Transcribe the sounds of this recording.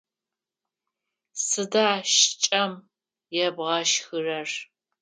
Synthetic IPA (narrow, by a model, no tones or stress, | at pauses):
sɨdaːʃt͡ʃʼɐm | jɛbʁɐʃxɨrɐr